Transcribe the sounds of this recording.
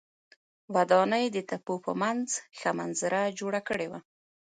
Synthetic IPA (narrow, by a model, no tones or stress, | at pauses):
wad̪ɑnəjd̪ət̪apopə̰manzxamanzɪɾad͡ʒoɽakəɽewa